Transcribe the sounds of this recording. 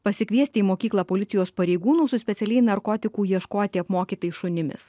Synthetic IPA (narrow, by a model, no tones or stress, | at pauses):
pɐsʲɪkʲʋʲiɛsʲt̪ʲɪiːmoːkʲiːklˠɐːpoːlʲɪt̪sʲɪjoːspɐɾʲɛɪɡuːnuːsʊsʲpʲɛt̪sʲɛlʲɛɪnɐɾkoːt̪ʲɪkuːjiɛʃkoːt̪ʲiɐpmoːkʲiːt̪ɐɪʃʊnʲɪmʲɪ̰s